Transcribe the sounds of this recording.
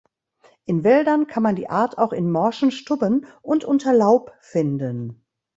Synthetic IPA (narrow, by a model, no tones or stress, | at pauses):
ʔɪnvɛldɐnkʰanmandḭːʔaːɐtʰaʊxɪnmɔɐʃn̩ʃtʊbənʔʊntʔʊntʰɐlaʊpfɪndən